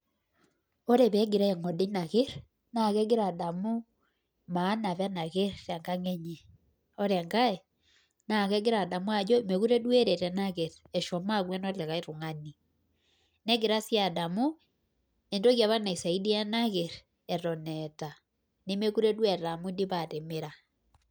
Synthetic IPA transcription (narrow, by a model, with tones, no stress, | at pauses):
o˦ɾe˨βɛ˦ɡi˨ɾa˦ɛ˨ŋɔ˨de˦na˨ɣe˦ɾ | na˨ɣɛ˦ɡe˦ɾa˨da˨mu˦ | maː˨˦na˨βa˦na˨ɣe˦ɾɾa˨ŋɡa˦ŋɛ˦ɲe˨ | o˦ɾɛ˨ŋɡa˦e | na˨kɛ˦ɡe˦ɾa˨da˨mu˦a˨d͡ʒo˦˨me˨ɣu˦ɾe˦dwe˦ɾe˨ɾɛ˨na˦ɣe˨ɾ | ɛ˨ʃɔ˨ma˦ɣwɛ˦nɔ˦lɛ˨ɣa˦i˦ɾu˨ŋa˦ni˨ | nɛ˦ɡe˨ɾa˦sja˨da˨mu˦ | e˨ndo˦ɣja˨βa˦na˨i˨sa˨i˦di˦ja˦na˦ɣe˨ɾ | ɛ˨ɾɔ˨nɛta˨ | ne˦me˦ku˦ɾe˦dwe˨ɾɾa˨mu˦di˦βa˨te˨me˦ɾa˨